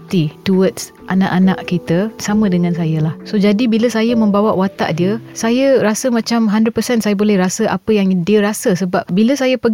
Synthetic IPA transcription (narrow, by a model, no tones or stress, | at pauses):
t̪ituət̪̚s | ʔana̰ʔanaʔkit̪əsamə̃dəŋãnsajəlahsod͡ʒadibiləsajəmə̃mbawaʔwat̪a̰ʔdiəsajəɾasəmãt͡ʃamɦandɾəd̚pəsɛnsajabolɛhɾasəʔa̰pəjaŋdiəɾasəsəbap̚biləsajəpəɡ